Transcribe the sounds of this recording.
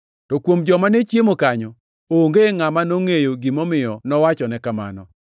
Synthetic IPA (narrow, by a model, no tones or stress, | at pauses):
tɔkwomd͡ʒɔmanet͡ʃjemokaɲɔ | oŋɡeŋamanoŋejoɡimɔmɪjɔnɔwat͡ʃɔnɛkama̰nɔ̰